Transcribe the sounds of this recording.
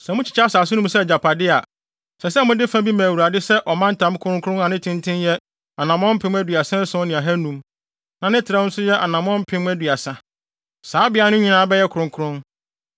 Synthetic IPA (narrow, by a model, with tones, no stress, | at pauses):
sɛ̃˨mʊ̃˦t͡ɕʰɪ̥˨t͡ɕʰsaː˨s̬ʊ˦nũ˦m˦sɛ˦˨d͡ʑa˨pʰa˨dɪ˦a˨ | sɛ˨sɛ˦mʊ̃˦dɪ˦fã˦bi˦mã˨wu˨ɾa˨dɪ˦sɛ˦ʔɔ˨mã˦n̩˦tʰã˨˦m˦kʰʊ˦ɾʊ̃˦kʰʊ˦ɾʊ̃˦a˨nɪ̃˦tʰɪ̃˦ntʰɪ̃˦njɛ˦ | a˨nã˨mɔ̃˦m̩˦pʰɪ̃˦m˦æ˦dɥa˨sã˦n˦sʊ̃˦nɪ̃˨a˨ɦæ˦nũ˦m | nã˨nɪ̃˦tʰɪ˨ɾa˦ʊ̃˦n̩˦sʊ˦jɛ˦ʔa˨nã˨mɔ̃˦m̩˦pʰɪ̃˦m˦æ˦dɥa˨sã˨ | saː˨˦bɪ˨˦a˨nʊ̃˦ɲĩ˨nãː˦bɛ˦jɛ˦kʰʊ˨ɾʊ̃˨ŋkʰʊ˦ɾʊ̃˦n